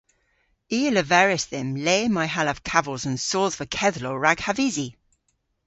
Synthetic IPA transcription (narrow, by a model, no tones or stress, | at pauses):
iːələvɛɹɪsðɪmleːmaɪɦalav̥kʰavəlˠzə̃nsɔːðvəkʰɛðloɹaɡ̥havizi